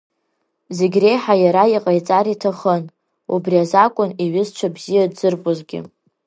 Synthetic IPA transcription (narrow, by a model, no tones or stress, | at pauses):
zeɡʲre̞jħajaɾaiqʼajt͡sʼaɾitʰaχən | ṵbriazakʷʼʊniɥɪzt͡ʃʷʰabzijadzɨrpʼʊzɡʲɪ̰